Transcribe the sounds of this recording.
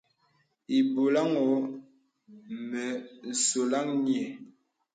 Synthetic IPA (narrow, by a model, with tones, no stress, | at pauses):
i˨bo˨la˦ŋɔ˨˦ | mɛ˨n̩˨so˨la˦ŋɲi˦˨ɛ˨